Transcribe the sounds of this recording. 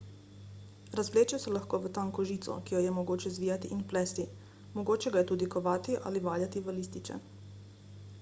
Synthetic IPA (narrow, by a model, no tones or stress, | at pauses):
ɾazʋleːt͡ʃjɔsɛlaxkoːʋət̪aŋkɔʒiːt̪sɔ̰kijɔjɛmɔɡoːt͡ʃɛzʋiːjat̪iʔinplɛːst̪i | mɔɡoːt͡ʃɛɡajɛt̪uːd̪ikɔʋaːt̪iʔa̰ːliʋaːljat̪iʋəliːst̪it͡ʃɛ̰